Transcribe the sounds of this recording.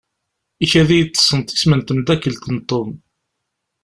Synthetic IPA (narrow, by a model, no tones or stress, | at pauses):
içæðijət͡sːə̥sˤːənt̪i̥smənt̪md̪ækːəlt̪ənt̪ˤːom